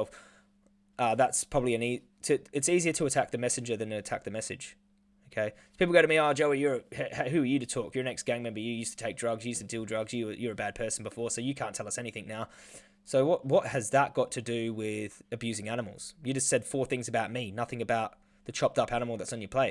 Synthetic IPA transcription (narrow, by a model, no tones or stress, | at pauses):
ʔʌðætspʰɹ̥ɑbəbliɨ̃ni | tʰɨɨtsiziə˞ɾəːtʰæk̚ðɨmɛsɨ̃n̩d͡ʒə˞ðɨ̃nɨɨtʰæk̚ðɨmɛsɨ̰d̥ʒ̥ | oʊkʰeɪ | pʰiplˠɡoʊɾɨmiɑd͡ʒoʊəjʊɹɨp̚hhɦʉə˞jɨɾɨtʰɔkjə˞nɛksɡ̥æ̃ɪ̃ŋmɛ̃mbə˞jɨjʉstʰə̥tʰeɪk̚d̥ɹʌɡzjɨjʉstʰɨdʉlˠdɹʌɡzjɨjə˞ɨbæd̚pʰɜ˞sn̩bəfɔɹsoʊjɨkʰæ̃ntʰɛlˠʌsɛniθɪ̃ŋnaʊ | soʊwʌt̚wʌt̚hɨzðət̚ɡ̥ɑtʰɨdɨwɪð̥ɨbjʉzɪ̃ŋænəml̩ˠz̥jɨd͡ʒʌstsɛd̥fɔɹθɪ̃ŋzɨbaʊt̚minʌθɪ̃ŋɨbaʊt̪̚ | ðɨt͡ʃʰɑp̚tʌpænəm̩l̩ˠðɨtsn̩jə˞pʰl̥eɪ